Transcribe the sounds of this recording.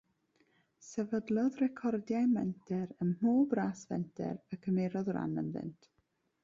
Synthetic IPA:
sɛvədlˠɔðrɛkʰɔrdjajmɛntʰɛɾənhuːbraːsvɛ̰ntʰɛ̰ɾəkʰəmeɾɔðra̰nə̰nðɪ̰ntʰ

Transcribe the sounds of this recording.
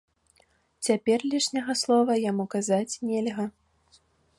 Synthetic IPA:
t͡sʲapʲɛrlʲiʂnʲɐɣɐslˠɔvɐjamukazat͡sʲnʲɛlʲɣɐ

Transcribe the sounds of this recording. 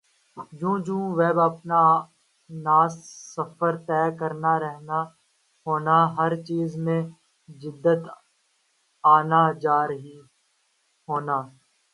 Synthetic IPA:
d͡ʒũːd͡ʒũːʋɛːbəpna | naːssːəfəɾt̪ɛːkəɾnaːɾɛɦna | ɦoːnaɦəɾt͡ʃiːzmẽ | d͡ʒɪd̪ːət̪ | aːnaːd͡ʒaːɾəɦi | ɦoːnaː

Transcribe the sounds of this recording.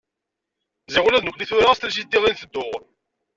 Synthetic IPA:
ziʁlæðnəkliθʊɾaæst̪ls̬it̪ːiʁˤinθəd̪ːʊʁ

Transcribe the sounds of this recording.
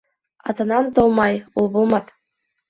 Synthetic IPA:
ɑ̰t̪ɤ̆nɑnt̪ɤlˠmɑjulˠβulˠmɑt̪

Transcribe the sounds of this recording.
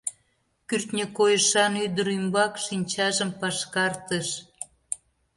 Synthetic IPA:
kyrt̪nʲəkojəʃɑnyd̪əɾymbɑkʃinʲt͡ɕɑʒəmpɑʃkɑrt̪əʃ

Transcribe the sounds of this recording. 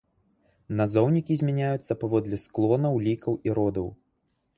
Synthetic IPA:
nazɔwnʲikʲizʲmʲanʲajut̪sːɐpavɔd̪lʲɛsklˠɔnɐwlʲikɐwiɾɔd̪ɐw

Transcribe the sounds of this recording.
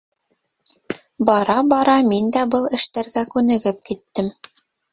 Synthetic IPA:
bɑɾɑbɑɾɑmind̪æbɤlˠɘ̆ʃt̪æɾɡækʉnɘ̆ɡɘp̚kit̪ːɘm

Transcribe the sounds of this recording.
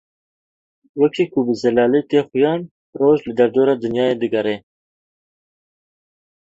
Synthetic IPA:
wɛkʰiːkʰʊbɨzɛlɑːlet̪eːxʊjɑːn | roːʒlɨd̪ɐɾd̪oːɾɑːd̪ɨnjɑːjeːd̪ɨɡɐɾeː

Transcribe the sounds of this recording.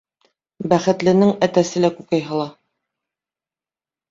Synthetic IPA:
bæχɘ̆t̪lɘ̆nɘŋæt̪æsɘlækʉkæjɦɤ̆lˠɑ

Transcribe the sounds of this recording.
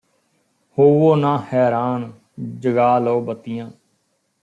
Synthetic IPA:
hoːʋoːnãːhɛːɾaːn | d͡ʒəɡaːloːbət̪ɪjãː

